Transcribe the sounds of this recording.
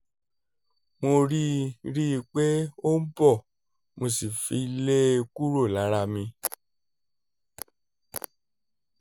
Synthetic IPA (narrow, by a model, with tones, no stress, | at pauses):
mo˧ɾi˦ɾi˦˧k͡pe˦o˦n̩˦bɔ˦˨ | mo˧si˨fi˧˦le˦˧ku˦ɾo˦˨la˨˦ɾa˧mĩ˧